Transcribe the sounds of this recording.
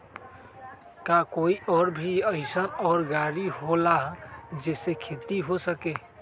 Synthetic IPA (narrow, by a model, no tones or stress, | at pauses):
kakoiʔɔɾbʱiəɪsənɔːɾɡaɽiɦolaɦd͡ʒesekʰet̪iɦosəke